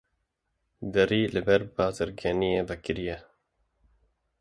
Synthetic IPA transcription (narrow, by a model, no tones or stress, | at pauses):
d̪ɛɾiːlɨbɛɾbɑːzɨɾɡɛnijeːvɛkɪɾijɛ